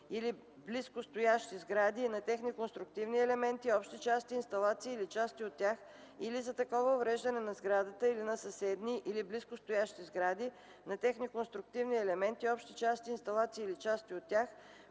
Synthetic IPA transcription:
ili | bliskost̪ʊjaʃt̪izɡɾad̪inɐt̪ɛxnikonst̪ɾʊk̚t̪ivniɛlɛmɛnt̪iɔpʃt̪it͡ʃast̪iːnst̪ɐlˠat̪siːlit͡ʃast̪iot̪ʲːjax | ilizɐt̪ɐkɔvəovɾɛʒd̪ɐnɛnɐzɡɾad̪ət̪əilinɐsɐsɛd̪niʔilibliskost̪ʊjaʃt̪izɡɾad̪i | nɐt̪ɛxnikonst̪ɾʊk̚t̪ivniɛlɛmɛnt̪iɔpʃt̪it͡ʃast̪iːnst̪ɐlˠat̪siːlit͡ʃast̪iot̪ːʲax

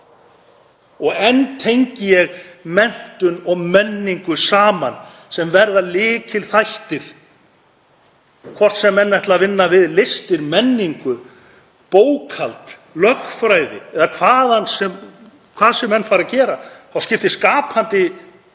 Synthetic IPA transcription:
ɔɣɛnt̪ʰejɲcɪjɛɣmɛn̥t̪ʏnɔɣmɛnːiŋkʏsaːman | sɛmvɛɾðalɪːcʰɪlθajht̪ɪɾ̥ | kʰvɔr̥t̪sɛmːɛnːɛht̪lavɪnːavɪðlɪst̪ɪɾmɛnːiŋkʏ | poːwkʰalt̪lœxfɾajðɪɛðakʰvaːðansɛm | kʰvaːðsɛmːɛnːfaːɾacɛːɾaθawscɪft̪ɪskaːpʰant̪ɪ

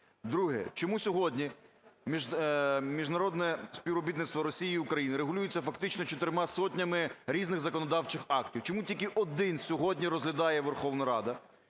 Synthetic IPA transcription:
d̪ɾuɦɛ̰t͡ʃɔmusʲɔɦɔdʲnʲi | mʲiʒmʲiʒnɐɾɔd̪nɛsʲpʲiwɔbʲit̪nɪt̪t̪ʋɔɾɔsʲijiːukɾɐjinɪɾeɦʊlʲujʊt͡sʲːɐfɐkt̪ɪt͡ʃnɔt͡ʃɔt̪ɪɾɪmɑsɔtʲnʲɐmɪɾʲiznɪɣzɐkɔnɔd̪ɑwt͡ʃɪxɑktʲiwt͡ʃɔmutʲikɪʔɔd̪ɪnsʲɔɦɔdʲnʲiɾɔzɦlʲɐd̪ɑjɛʋerxɔʋnɐɾɑd̪ɐ

